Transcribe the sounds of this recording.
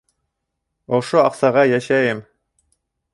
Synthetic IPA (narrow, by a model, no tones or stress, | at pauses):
ŏʃoɑqsɑʁɑjæʃæjɘm